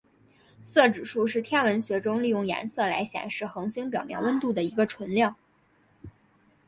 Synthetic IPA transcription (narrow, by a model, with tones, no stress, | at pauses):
sɤ˥˩ʈ͡ʂɻ̩˨˩ʂu˥˧ʂɻ̩˥˩t̪ʰjɛ˥nwə˧˥nɕɥɛ˧˥ʈ͡ʂʊ˥ŋli˥˧jʊ˥˩ŋja̰˧˥nsɤ˥˩la̰˧˥ɪɕjɛ̰˨˩nʂɻ̩˥˩xɤ˧˥ŋɕi˥ŋp̬jɑ˨˩ʊmjɛ̰˥˩nwə˥nt̪u˥˩d̪ə˩i˧˥ɡə˧ʈ͡ʂʰwə˧˥nljɑ˥˩ŋ